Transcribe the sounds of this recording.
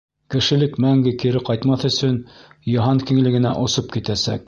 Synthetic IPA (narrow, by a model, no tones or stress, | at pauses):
kɘ̆ʃɘ̆lɘkmæŋɡɘkiɾɘqɑjt̪mɑθɵ̆sɵnjɑɦɑŋkĭŋlɘ̆ɡɘ̆næ̰ʔŏsop̚kit̪æsæ̰k̚